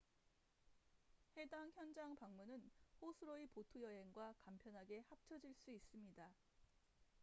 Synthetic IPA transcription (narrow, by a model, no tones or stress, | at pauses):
he̞daŋçjʌnd͡ʑaŋpaŋmunɯnɸosʰɯɾoipotʰujʌɦe̞ŋɡwakampʰjʌnɦaɡe̞hap̚t͡ɕʰʌd͡ʑiɭs͈uis͈ɯmɲida